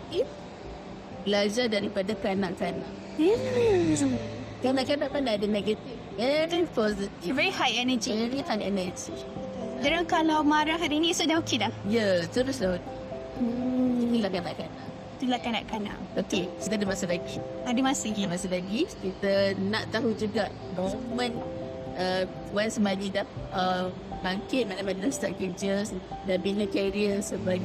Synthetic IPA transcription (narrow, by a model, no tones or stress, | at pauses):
if | bəlad͡ʒadaɾipadakanãʔkana̰ʔ | m̩ | kanaʔkanaʔkanaʔdənɛɡət̪ifvɛɹipɔzit̪ivɛɹihajɛnəd͡ʒiɹifãnɛ̰nəd͡ʒi | daɾaŋkalawmaɾaɦadinisɔdaokʰidajatəvislan̩ | ilakanlaʔkanaʔ | t̪ulakana̰ʔkana̰ʔokekit̪adəmasəlaɡiadəmasədəmasəlaɡikit̪ənaʔt̪aɦud͡ʒuɡaʔ | nɔmə̃n | ə | wansəmad͡ʒidaə | baŋkɪt̚manamadəmst̪aʔked͡ʒəsdabinakaɾiəsəbaɡ